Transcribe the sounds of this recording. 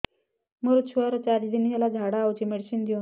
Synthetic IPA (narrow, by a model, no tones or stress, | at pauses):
məɾut̪ɕʰuaɾt͡ɕaɾd͡ʑid̪inɦalad͡zʱaɽawt͡ɕimeɽsiːnd̪io